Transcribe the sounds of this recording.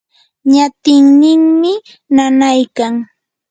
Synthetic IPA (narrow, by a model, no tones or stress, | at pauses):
ɲat̪ɪŋnɪŋmɪ | nanajkaŋ